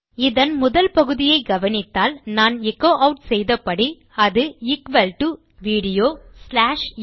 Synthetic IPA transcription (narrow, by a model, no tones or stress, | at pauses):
ɪðɐnmʊðɐlpɐɣɯðɪjɐɪɡɐʋɐnɪt̪ːaːlnaːnɛkːoːʔɐʊʈsɛjðɐpːɐɽi | ɐðɯɪkʋɐlʈu | ʋiːɽɪjoːslaːʂ